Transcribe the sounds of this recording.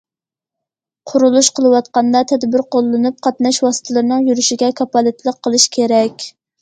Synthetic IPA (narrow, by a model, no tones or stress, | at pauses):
qʰʊɾulˠuʃqʰəlˠɨwɑt̪̚qɑnd̪ɑt̪ʰɛd̪bɪɾqʰolˠːɨnup̚qʰɑt̪nɑʃwɑsɨ̥t̪ʰɨlˠɨɾnɨŋjyɾyʃiɡʲɛkʰɑpɑlˠɨt̪ʰlˠəqʰːəlˠɨʃkʲʰeɾɛkʲ